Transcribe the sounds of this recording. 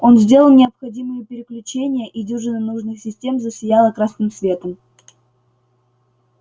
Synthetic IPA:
o̞nzʲdʲe̞lˠəlˠnʲɪɐpxɐdʲimɨjəpʲɪɾʲɪklʲʉt͡ɕenʲɪjəʔidʲuʐɨnənuʐnɨxsʲɪsʲtʲe̞mzəsʲɪjalˠəkɾasnɨmsvʲe̞t̪əm

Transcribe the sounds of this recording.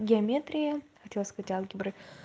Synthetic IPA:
ɡʲɪɐmʲet̪ɾʲɪjəxɐt̪ʲelˠəskɐzatʲalˠɡʲɪbɾɨ

